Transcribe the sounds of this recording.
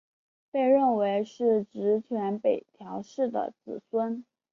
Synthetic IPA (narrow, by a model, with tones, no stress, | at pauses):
pe˥˧ɪɻə˥˩nwe˧˥ɪʂɻ̩˥˩ʈ͡ʂɻ̩˧˥t͡ɕʰɥɛ˧˥npe˨˩ɪt̪ʰjɑ˧˥ʊʂɻ̩˥˩d̪ə̰˩t͡sɹ̩˨˩swə˥n